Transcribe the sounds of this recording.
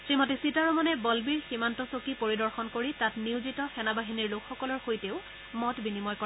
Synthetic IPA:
tɹimɔtisitaɹɔmanɛbɔlbiɹximantɔsokipoɹidɔɹxɔnkoɹitatniwzitɔxɛnabaɦiniɹlʊkʰxɔkɔlɔɹxojteʊ | mɔtbinimɔjkɔ

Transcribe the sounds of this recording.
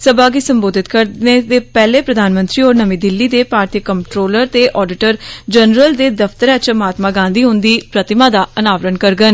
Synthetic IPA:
səbaːɡiːsəmboːd̪ʱɪt̪kəɾneːd̪eːpɛːleːpɾəd̪ʱaːnmə̃nt̪ɾiːoːɾnəmĩːd̪ɪlːiːd̪eːpaːɾt̪ijəkəmʈɾoːləɾt̪eːʔɔːɖɪʈəɾd͡ʒənɾəld̪eːd̪əft̪əɾɛ̃ːt͡ʃmaːt̪maːɡãːnd̪iːɦʊ̃nd̪iːpɾət̪ɪmãːd̪aːənaːʋɾənkəɾɡən

